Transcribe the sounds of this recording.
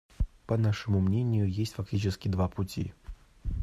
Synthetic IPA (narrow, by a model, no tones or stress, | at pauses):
pɐnaʂɨmumnʲenʲɪjujesʲtʲt͡sʲfaktʲit͡ʃɪskʲid̪vaput͡sʲḭ